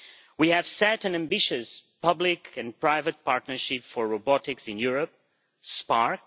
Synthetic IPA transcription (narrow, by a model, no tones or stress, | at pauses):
wihɨv̥sɛɾɨ̃næ̃mbɪʃɨspʰʌblɪkʰɨ̃npɹaɪvət̚paɹtnə˞ʃɪpfɔɹɹobɔtɪksɪ̃njuɹəp̚ | spɑɹk̚